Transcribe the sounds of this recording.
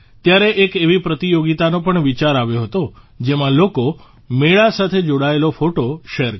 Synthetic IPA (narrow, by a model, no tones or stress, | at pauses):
t̪jaɾeʔekeʋipɾət̪ijoɡit̪anopəɳʋit͡ʃaɾaʋjoɦət̪o | d͡ʒemãloko | meɭasat̪ʰed͡ʒoɽaelofoʈoʃeɾ